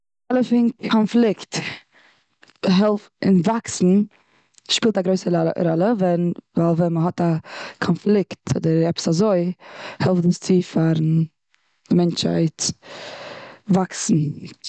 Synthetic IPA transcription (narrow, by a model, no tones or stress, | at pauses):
alˠəfɪnʰɔnflˠɪkt | ɦɛlˠf | ɪ̰nvaksn̩ | ʃpiːlˠtaɡɾoɪsəɾɾɔlˠəvɛnvalˠvɛnməɦɔtakʰɔnflˠɪktʰɔ̰dəɾɛpə̥sazoɪhɛlˠfdəst͡sɪfaɾn̩ | ɪmɛnt͡ʃha̰ɪt | vaksn̩